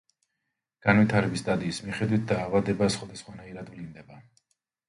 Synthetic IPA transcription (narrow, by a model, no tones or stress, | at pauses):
ɡ̥anvit̪ʰaɾɛbisd̪ʼad̪iːsmiχɛd̪wit̪̚ʰd̪aːvad̪ɛbasχwad̪asχwanaiɾad̪vlind̪ɛba